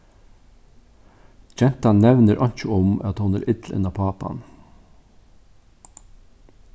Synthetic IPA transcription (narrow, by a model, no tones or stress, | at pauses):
d͡ʒɛnt̪ɑnnɛʋnəɾʔɑnt͡ʃəʊmɑt̪hʊnæːɾʔɪd̪l̩ɛ̰nɑpʰɑːpɑ̰n